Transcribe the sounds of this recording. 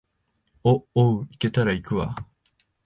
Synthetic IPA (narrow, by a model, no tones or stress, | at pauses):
ooike̞t̪aɾaikɯ̟βa̰